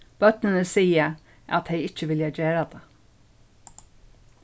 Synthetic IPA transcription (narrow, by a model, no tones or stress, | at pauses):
b̥œt̪nənəsiːə | ʔɑ̰t̪heɪɪc͡çəʋɪljɑd͡ʒeːɾɑd̪eː